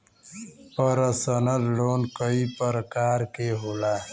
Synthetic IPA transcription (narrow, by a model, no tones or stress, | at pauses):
pəɾəsənəllonkəipəɾəkaːɾkeɦola